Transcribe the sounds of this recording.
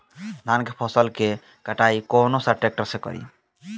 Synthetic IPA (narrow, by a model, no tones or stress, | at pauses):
d̪ʱankepʰɔsəlke | kəʈaikɔnosəʈek̚ʈəɾsekɔ̰ɾḭ